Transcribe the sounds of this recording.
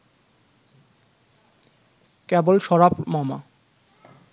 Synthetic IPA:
kebolʃɔɾapmama̰

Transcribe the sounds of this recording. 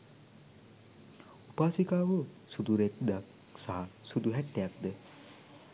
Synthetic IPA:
upaːsikaːʋəsud̪uɾek̚d̪ak | saɦasud̪uɦæʈːejakd̪ə

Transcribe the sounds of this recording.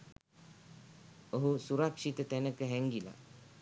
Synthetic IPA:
oɦusuɾakʂit̪ət̪ænəkəɦɛŋɡila̰

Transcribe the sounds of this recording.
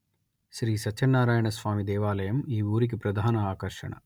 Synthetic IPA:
ʃɾiːsɐt͡ʃɐnːaːɾaːjɐɳɐsʋaːmid̪ɛːʋaːlɐjɐmiːuːɾik̬ipɾɐd̪ʱaːnɐaːkɐɾʂɐ̰ɳɐ̰

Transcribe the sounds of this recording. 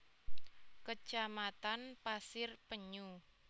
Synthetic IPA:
kə̥ʒ̥amat̪anpasɪrpəɲu

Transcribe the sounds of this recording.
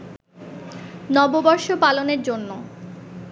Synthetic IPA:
nɔbobɔɾʃopaloneɾd͡ʑonːo

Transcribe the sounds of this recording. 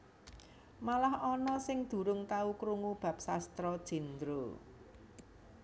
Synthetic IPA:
malahɔnɔsɪŋd̪̥ṳɾʊŋt̪aukɾuŋub̥ä̤p̚sast̪ɾɔd̥ʒ̥i̤nd̪ɾo

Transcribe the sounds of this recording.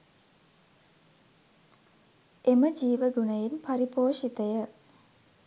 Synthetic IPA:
eməd͡ʒiːʋəɡunəjenpaɾipoːʂit̪əjə

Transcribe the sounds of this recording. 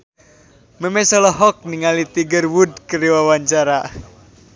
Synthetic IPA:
memesɔlɔɦɔk̚niŋalit̪iɡərwudkəɾiwawaɲt͡ʃaɾa

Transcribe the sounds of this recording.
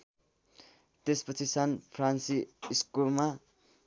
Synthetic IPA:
t̪espʌt͡sʰisanpʰransiːskulma

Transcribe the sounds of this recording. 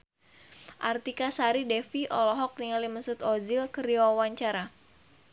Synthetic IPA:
ʔart̪ikasaɾidɛfiʔɔlɔɦɔk̚niŋalimənsʊt̪ɔzilkəɾiɔawaɲt͡ʃaɾa

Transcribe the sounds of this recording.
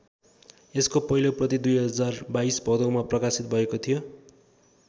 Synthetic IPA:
eskopʌɦiloprʌt̪id̪ujɦʌd͡zarbaisbʱʌd̪ʌwmaprʌkasit̪̚bʱʌekot̪ʰijo

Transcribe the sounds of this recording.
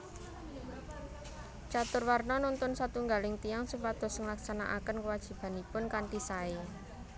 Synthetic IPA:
t͡ʃat̪ʊrwarnɔnɔnt̪ʊnsat̪uŋɡalɪŋt̪ijaŋsupat̪ɔ̤səŋlaksanaʔakənkəwad̥ʒ̥i̤b̥a̤nipʊnkant̪isae

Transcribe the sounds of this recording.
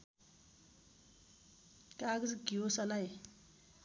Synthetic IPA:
kaɡzɡiosalaj

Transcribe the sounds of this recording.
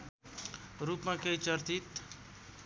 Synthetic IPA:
ɾupmãkejt͡ʃʌɾt̪it̪

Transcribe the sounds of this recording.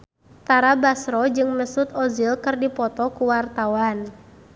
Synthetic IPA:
t̪aɾabasɾɔd͡ʒɨŋməsut̪ɔzilkɨrdipɔt̪ɔkuwart̪awan

